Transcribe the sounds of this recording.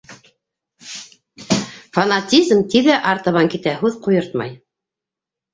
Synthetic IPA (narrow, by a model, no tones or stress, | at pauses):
fɐnat̪ʲizmt̪iðæʔɑɾt̪ɤ̆βɑŋkit̪æɦʉðqujɤɾt̪mɑ̰j